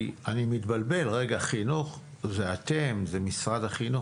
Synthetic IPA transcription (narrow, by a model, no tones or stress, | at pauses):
animit̪balbe̞lʁeɡaχinuχ | zeat̪emzemisʁad̪aχinu